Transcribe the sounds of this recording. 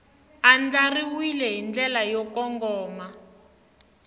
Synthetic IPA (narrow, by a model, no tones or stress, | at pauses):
and͡ɮariwilɛɦind͡ɮɛlajɔkɔŋɡɔːma